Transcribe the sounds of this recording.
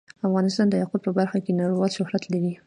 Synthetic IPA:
afɣɑnɪst̪ɑnd̪əjaqʊd̪̚pəbaɾxakenɑɾwɑlʃʊhɾat̪lawi

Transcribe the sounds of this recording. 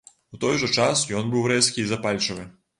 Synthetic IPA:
wt̪ɔjʐɔt͡ʂasjɔnbɨwɾɛskʲiːzɐpalʲt͡ʂɐvɨ

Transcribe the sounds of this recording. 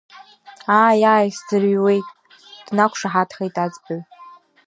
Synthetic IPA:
aːjaːjszɨrɥwe̞jtʼ | d̥nakʷʰʂaħatʰχejtʼad͡zʼbɨɥ

